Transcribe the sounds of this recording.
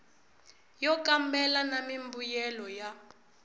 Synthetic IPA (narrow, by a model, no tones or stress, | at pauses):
jɔkambɛlanamimbujɛlɔja